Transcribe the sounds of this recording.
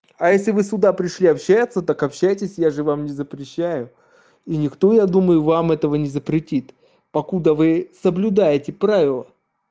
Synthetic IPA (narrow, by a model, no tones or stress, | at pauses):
ɐjesʲlʲɪvɨsʊd̪apɾʲɪʂlʲiɐpɕːæjət̪sət̪akɐpɕːæjtʲɪsʲjaʐɨvamnʲɪzəpɾʲɪɕːæjʊ | inʲɪkt̪o̞jad̪uməjʊvamɛt̪əvənʲɪzəpɾʲɪtʲit̪ | pɐkud̪əvɨsəblʲʊd̪ajɪtʲɪpɾavʲɪlˠə